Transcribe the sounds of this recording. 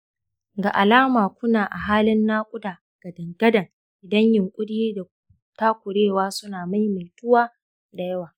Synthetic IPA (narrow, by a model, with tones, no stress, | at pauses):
ɡa˨ʔa˨laː˦maː˨kʷʊ˦naː˨ʔa˨ɦaː˦lɪ˦nːaː˦kʷʼʊ˦daː˨ | ɡ̥ɐ˨dɐ˨ŋɡɐ˦dɐ˨ŋ | ʔɪ˨dɐ˦ɲjɪ˨ŋkʷʼʊ˦ɽjiː˦da˨ | taː˦kʷʊ˨ɽeː˦˨waː˦sʊ˦naː˨ma˦jma˨jtʊ˦waː˦ | da˨jɐ˦waː˨